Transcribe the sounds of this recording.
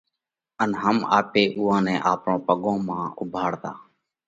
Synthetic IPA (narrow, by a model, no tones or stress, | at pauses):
ənɦəma̰ːpeːʔuːãːnɛ̃ːʔaːpɳõːpəɠõːmãːʊbʱaːɽt̪a̰ː